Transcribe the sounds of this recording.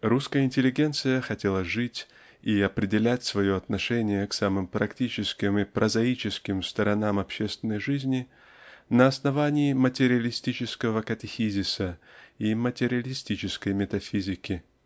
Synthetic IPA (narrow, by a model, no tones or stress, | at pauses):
ruskəjəɪnʲtʲɪlʲːɪɡʲe̞nt̪sɨjəxɐtʲe̞lˠəʐɨtʲ | iɐpɾʲɪdʲɪlʲætʲsvɐjoɐt̪nɐʂɛnʲɪjəksamɨmpɾɐktʲit͡ɕɪskʲɪmipɾʔəzɐit͡ɕɪskʲɪmst̪əɾɐnamɐpɕːe̞st̪vʲɪnːəjʐɨzʲnʲɪ | nəɐsnɐvanʲɪːmətʲɪɾʲɪəlʲɪsʲtʲit͡ɕɪskəvəkɐtʲɪxʲizʲɪsəimətʲɪɾʲɪəlʲɪsʲtʲit͡ɕɪskəjmʲɪt̪ɐfʲizʲɪkʲɪ